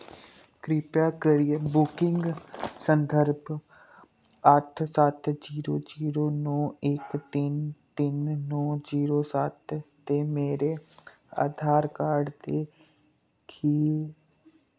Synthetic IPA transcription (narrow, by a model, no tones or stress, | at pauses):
kɾɪpjaːkəɾiebʊkɪŋɡsənd̪ʱəɾb | əʈʰsət̪d͡ʒiːɾoːd͡ʒiːɾoːnɔːɪkt̪ɪnt̪ɪnːɔːd͡ʒiːɾoːsət̪ | t̪eːmeːɾe | a̰ːd̪ʱaːɾkaːɾɖd̪eː | kʰiː